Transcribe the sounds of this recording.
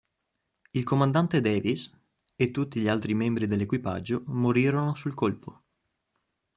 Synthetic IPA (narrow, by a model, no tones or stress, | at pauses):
ilkomand̪ant̪ed̪ɛːvis | et̪ːut̪ːiʎialt̪ɾimembɾid̪elːekwipa̰d͡ʒːomoɾiːɾonosulkolpo